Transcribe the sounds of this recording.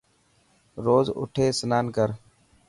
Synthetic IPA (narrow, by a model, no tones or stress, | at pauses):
ɾoːzʊ̰ʈʰeːsənaːnkəɾ